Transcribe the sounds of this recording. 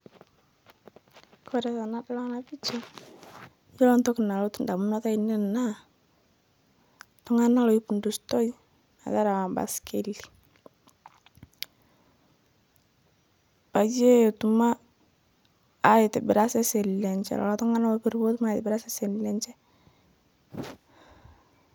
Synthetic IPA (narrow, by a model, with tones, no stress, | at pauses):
kɔ˨ɾɛ˨sa˨na˦da˦la˦ŋna˦bi˦t͡ʃɔ˦ | jo˦lɔ˦ntɔ˦kna˨lo˦tnda˨mu˦nɔ˦ta˦i˨nɛ˦na˦ | tɔ˦ŋa˦na˦lo˨i˦pu˨ndu˨stɔ˦i | na̰˨ta˦ɾa˨wa˨mba̰˨skʰe˦li̥˨ | pa˨d͡ʒe˦˨tu˨ma˦˨ | jɪ˨tɛ˨bɪ˨ɾa˦sɛ˦sɛ˨lɛ˨ɲt͡ʃɛ̰˨lɔ̰˨lɔ˦tɔ˦ŋa˦na˦lɔ˦pi˨ɾbo˦tu˦ma˦jtɪ˨bɪ˨ɾa˦sɛ˦sɛ˨lɛ˦ɲt͡ʃɛ˦